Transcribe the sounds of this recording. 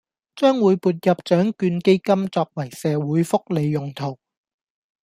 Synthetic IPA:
t͡ʃœː˥ŋwuː˨˧jpuː˨˧t̬̚jɐ˨p̚t͡ʃœː˨˥ŋkyː˧nke˥jkɐ˥mt͡sɔː˧k̚wɐ˨˩jsɛː˨wuː˨˥jfʊ˥k̚le˨˧jːʊ˨ŋt̪ʰo˨˩w

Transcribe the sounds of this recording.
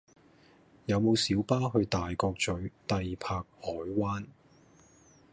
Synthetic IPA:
jɐ˨˧wmo˨˧wsiː˨˥wpaː˥ɦɵ˧ɥt̪aː˨jkɔː˧k̚t͡ʃɵ˨˥ɥt̪ɐ˨jpʰaː˧k̚hɔː˨˥jwaː˥n

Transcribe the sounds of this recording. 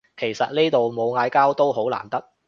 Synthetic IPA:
kʰe˨˩jsɐ˨t̚neː˥t̪o˨wmo˨˧wŋaː˧jkaː˥wt̪o˥wɦo˨˥wla̰ː˨˩nt̪ɐ˥k̚

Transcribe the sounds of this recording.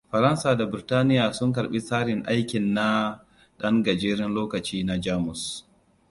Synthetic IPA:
ɸɐ˨ɾɐ˦nsaː˨da˨bɪ˨ɾɪ˨taː˦nɪ˦jaː˨sʊ˦ŋk̬ɐ˨ɾɓi˦saː˦ɽɪ˨ŋʔa˦jkʲɪ˨nːa˦ | ɗɐ˦ŋɡɐ˨d͡ʒeː˦ɾɪ˦nloː˦kɐ˨t͡ʃiː˦na˨d͡ʒaː˦mʊ˨s

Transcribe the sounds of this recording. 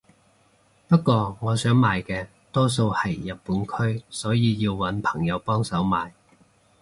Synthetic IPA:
pɐ˥t̚kːʷɔː˧ŋɔː˨˧sœː˨˥ŋmaː˨jkɛː˧ | t̪ɔː˥s̬o˧whɐ˨˩jːɐ˨t̚pːuː˨˥nkʰɵ˥ɥsɔː˨˥jiː˨˧jiː˧wwɐ˨˥npʰɐ̥˨˩ŋjɐ˨˧wpɔː˥ŋsɐ˨˥wmaː˨j

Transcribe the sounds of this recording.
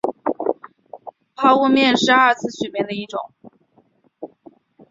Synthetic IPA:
pʰɑ˥ʊu˥˧mjɛ˥˧nʂɻ̩˥˧a˞˥˧t͡sʰɹ̩˥˩ɕɥɛ˨˩mjɛ˧˥nd̪ə˧i˥˩ʈ͡ʂʊ̰˨˩˦ŋ

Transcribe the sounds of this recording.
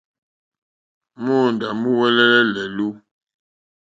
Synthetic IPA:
mɔ˦˨n˨da˨mu˦wɛ˦lɛ˦lɛ˦lɛ˨lu˦

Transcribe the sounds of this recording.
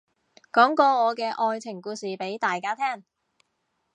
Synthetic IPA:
kɔː˨˥ŋkɔː˧ŋɔː˨˧kɛː˧ʔɔː˧jt͡sʰɪ˨˩ŋkuː˧siː˨˩pe˨˥jt̪aː˨jkaː˥t̪ʰɛː˥ŋ

